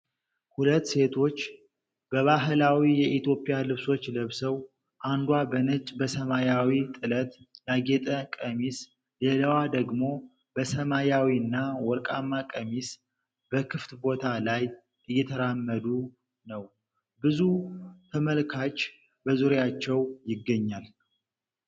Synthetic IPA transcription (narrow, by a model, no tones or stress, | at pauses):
hulət̪ːse̞t̪ʰo̞t͡ʃː | bəβaɦɨlawijɛʔit̪ʰjo̞pʼɪjalɨβso̞t͡ʃːləβsəw | ʔand̪wabənət͡ʃʼbəsəmajawit̪ʼɨlət̪naɡet̪ʼəkʼəmis | leləwad̪əɡmo̞ | bəsəmajawiɨnːawɔɾkʼamːakʼəmis | b̥əkʰɨft̪bo̞t̪ʰalaj | ɨjːɛt̪ʰəɾamːəd̪u | nəw | bɨzut̪ʰəməlkʰat͡ʃː | bəzuɾjat͡ʃːɛwjɪɡːəɲːal